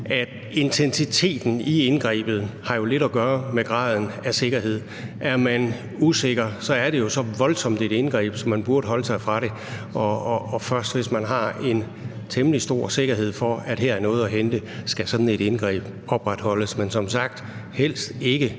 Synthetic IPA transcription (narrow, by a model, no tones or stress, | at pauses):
æd̥ | e̝nt͡sʰensit͡sʰe̝̰ːd̥n̩ienɡ̥ʁɛ̰ːb̥ð̞̩ˠhɑ̈jo̝le̝ɾ̥ɒɡ̥ɶːɐmeɡ̥ʁɑ̰̈ːð̞ˠn̩æse̝ɡ̥ɐɦe̝ð̞̰ˠ | ʔæɐmæn | use̝ɡ̥ɐsɒ̽æɐɾe̝jo̝sɒ̽ʋɒ̽lsɒ̽m̰d̥e̝ɾ̥e̝nɡ̥ʁɛ̰ːb̥sɒ̽mːænb̥uɐɾ̥əɦɒ̽ləsɑ̈ɪfʁɑ̈ɾe̝ | ɒːfɶɐsd̥ʋe̝smænɦɑ̈e̝n | t͡sʰeməlisd̥o̝ɐ̰se̝ɡ̥ɐɦe̝ð̰ˠfɒ̽æd̥heɐæɐnɔ̽ːð̞̩ˠɒɦend̥əsɡ̥æsɒ̽d̥n̩e̝ɾenɡ̥ʁɛ̰ːb̥ | ɒ̽b̥ʁad̥hɒ̽ləsmensɒ̽msɑ̈ɡ̥̚d̥hel̰sd̥e̝ɡ̥ə